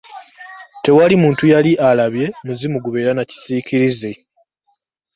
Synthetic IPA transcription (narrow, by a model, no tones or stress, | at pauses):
te̞walimuːntujaliʔalaβje̞muzimuɡuβe̞ːɾanaci̥ziːciɾize